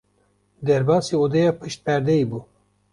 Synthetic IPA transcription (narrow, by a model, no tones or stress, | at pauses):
d̪ɛɾbɑːsiod̪ejɑpʰɨʃt̪̚pɛɾd̪ɛibu